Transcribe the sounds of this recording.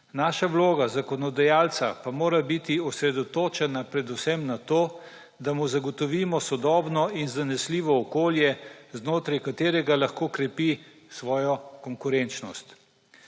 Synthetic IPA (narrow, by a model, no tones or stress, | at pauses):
naːʃaʋloːɡazakɔnɔd̪ajaːlt̪sapamoːɾabit̪iɔsɾɛd̪ɔt̪oːt͡ʃɛnapɾɛd̪usɛmnat̪oː | d̪amuzaɡɔt̪ɔʋiːmɔsɔd̪ɔːbnɔinzanɛsliːʋɔːkoːljɛznoːt̪ɾɛjkat̪eːɾɛɡalaxkoːkɾɛpi | sʋɔːjɔkɔŋkuɾɛnt͡ʃnɔst̪